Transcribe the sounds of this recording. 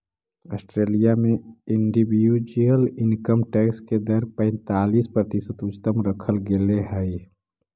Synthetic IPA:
əsʈɾelijameiɳɖibijud͡ʒjəlinkəmʈeksked̪əɾpə̃ɪnt̪alispɾət̪isət̪ʊt͡ʃt̪əmɾəkʰəlɡeleɦəɪ

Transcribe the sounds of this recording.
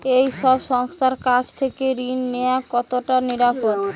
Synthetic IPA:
ejʃɔbʃɔŋst̪aɾkad͡ʑt̪ʰekeɾinːejakɔt̪oʈaniɾapod̪

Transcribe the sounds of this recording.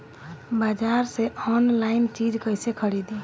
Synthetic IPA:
baːd͡ʒaɾseɔnlaɪnt͡ʃid͡ʒkəɪsekʰəɾid̪i

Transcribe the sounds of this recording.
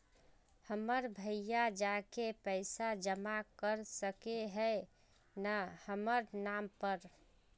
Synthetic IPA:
həməɾbʱəjjad͡ʒakepəɪsad͡ʒəmakəɾsəkeɦəe | nahəməɾnampəɾ

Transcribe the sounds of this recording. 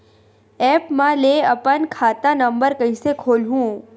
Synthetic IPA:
ɛpmãleəpənkʰaːt̪ãnəmbəɾkəĩsekʰoːlɦũː

